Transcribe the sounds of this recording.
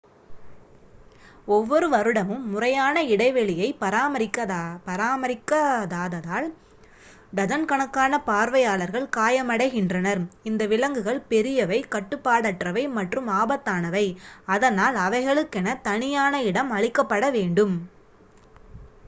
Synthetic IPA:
ɔʋːɔɾɯʋɐɾɯɽɐmɯmːʊrɐjaːnɐɪɽɐɪʋɛɭɪjɐɪpɐɾaːmɐɾɪkːɐpɐɾaːmɐɾɪkːɐðaːðɐðaːl | ɖ̪ɐðɐnkɐɳɐkːaːnɐpaːɾʋɐjaːɭɐɾɣɐɭkaːjɐmɐɽɐɪɣɪndrɐnɐɾɪnd̪ɐʋɪlɐŋɡɯɣɐɭpɛɾɪjɐʋɐɪkɐʈːɯpːaːɽɐʈrɐʋɐɪmɐʈrɯmaːbɐt̪ːaːnɐʋɐɪɐðɐnaːlɐʋɐɪɣɐɭɯkːɛnɐt̪ɐɳɪjaːnɐɪɽɐmɐɭɪkːɐpːɐɽɐʋeːɳɖɯm

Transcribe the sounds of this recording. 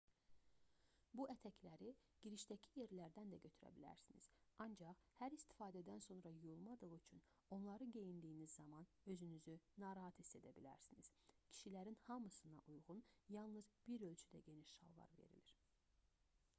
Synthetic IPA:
buæt̪ʰæcʰlæɾiɟ̥iɾiʃd̪æcʰije̞ɾlæɾd̪ænd̪æɟø̞t̪ʰyɾæ̰bilæ̰ɾsinḭz̥ɑnd͡ʒɑχhæɾist̪i̥fɑːd̪æd̪ænso̞nɾɑjujulˠmɑd̪ɯʁyt͡ʃʰyn | o̞nlˠɑɾɯɟe̞jind̪iːinizːɑmɑn | ø̞zynyzynɑːɾɑɦɑt̪ʰist̪ed̪æbilæ̰ɾsiniz̥cʰi̥ʃilæɾinhɑmɯsɯnɑ̰ʔujʁunjɑlˠnɯzb̥iɾø̞lʲt͡ʃʰyd̪æ̰ɟe̞niʃʃɑ̰lˠlˠɑ̰ɾve̞̰ɾḭliɾ̥

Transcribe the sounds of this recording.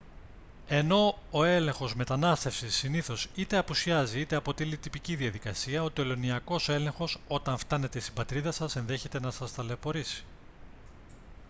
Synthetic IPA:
e̞no̞oe̞lẽ̞ŋxo̞zme̞t̪ɐnɐst̪e̞fsisːiniθo̞sit̪e̞ɐpusiɐziit̪e̞ɐpo̞t̪ilit̪ipiciðiɐðikɐsiɐo̞t̪e̞lo̞niɐko̞soe̞le̞ŋxo̞so̞t̪ɐɱft̪ɐne̞t̪e̞ist̪ibɐt̪ɾiðɐsɐse̞nðe̞çe̞t̪e̞nɐsɐst̪ɐlepo̞ɾisi̥

